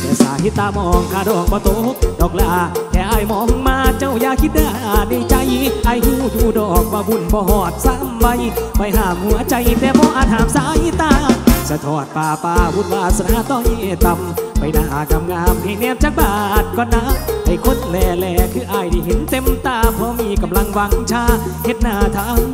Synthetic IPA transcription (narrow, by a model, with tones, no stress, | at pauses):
t̪ɛː˧˩saː˨˦hi˧˦t̪ːaː˧˩mɔː˧˨ŋkʰaː˧˩dɔː˨˩k̚bɔː˧˦t̪o˧˦˧dɔː˨˩k̚laː˧˩kʰɛː˧˩ʔaː˧˩jmɔː˨˦ŋŋmaː˧t͡ɕa˧˩wjaː˧˩kʰi˧t̪̚daː˧˩na˧˩jt͡ɕa˧˦jʔaː˧˨jhuː˧˩d̪uː˧˩dɔː˨˩k̚waː˧˩bu˧˩˨nbɔː˧˦ɦɔː˧˩t̪̚sa˧˥mwa˧jpa˧˩jɦaː˧˩mhu˨˦ɐt͡ɕa˧˦jt̪ɛː˧˦bɔː˧˦ʔaː˧t̪̚haː˨˦msaː˨˦hi˧˥t̪aː˧˩˧sa˧t̪ʰɔː˧˩t̪̚paː˧˩paː˧wu˧˩t̪̚waː˧˩sa˧naː˧˥t̪ɔ˧˩ŋhi˧˩˨t̪a˧mpa˨jna˧˩haː˨˦ka˧mŋaː˧mha˧˩jnɛː˧mt͡ɕa˧˥k̚baː˧˨˩t̪̚kɔː˧nːa˧˥ha˧˩jkʰo˧˥n̚lɛː˧˩lɛː˧˩kʰɯː˧˦ʔaː˧˩jda˧˩jhe˨˦nt̪e˧mt̪aː˧˨pʰɔ˧miː˧˩ka˧˨mla˧ŋwa˧˦ŋt͡ɕʰaː˧˥ | he˧˦t̪̚naː˧˩t̪ʰaː˧˥m